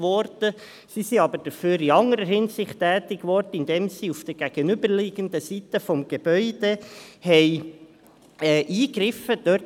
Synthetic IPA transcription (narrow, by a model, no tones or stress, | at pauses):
ʋɔɾd̥ə | sisiɑbəɾd̥əføːɾiɑŋəɾəɦɪnsɪχtːɛːtɪɡʋɔɾdəɪnd̪ɛːmsiufd̥əɡ̥æɡ̥ənʏbəɾleːɡəndəsit̪əfɔmɡ̥eb̥œʏd̥ehɛɪ | ɛːʔiːɡɾɪfəd̥̪ø